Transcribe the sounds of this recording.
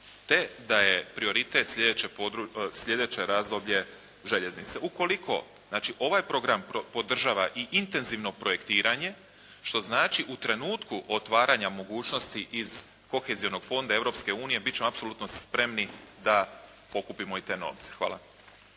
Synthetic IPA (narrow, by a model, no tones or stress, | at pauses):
t̪e̞d̪ajepɾio̞ɾit̪e̞t̪slʲed̪et͡ɕepod̪ɾusʎʲe̞d̪e̞t͡ɕe̞ɾaːzd̪o̞bʎe̞ | ʒe̞ʎe̞znit̪se̞uko̞likʰo̞̰ | znaːt͡ʃiʔo̞ʋajpɾo̞ɡɾampo̞d̪r̩ʒaːʋaʔiʔint̪e̞nziʋno̞pɾo̞je̞kt̪iːɾaɲe̞ | ʃt̪o̞znaːt͡ʃiʔut̪ɾe̞nuːt̪kuʔo̞t̪ʋaːɾaɲamo̞ɡuːt͡ʃnost̪iʔiz̥ | ko̞xe̞zio̞no̞ɡ̥fo̞nd̪ae̞ʋɾo̞pske̞uːnije̞bit̪t͡ɕemoapsolut̪no̞spɾe̞mnid̪a | po̞kupimo̞it̪eːno̰ʋt̪se̥xʋa̰ːlˠa̰